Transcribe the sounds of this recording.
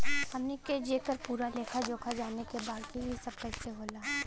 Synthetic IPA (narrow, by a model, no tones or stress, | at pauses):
hɐmneked͡ʒeːkəɾpuːɾaleːkʰad͡ʒoːkʰad͡ʒaːnekebaːd̪kibʱisɐb̚kɛːseɦoːlaːɦ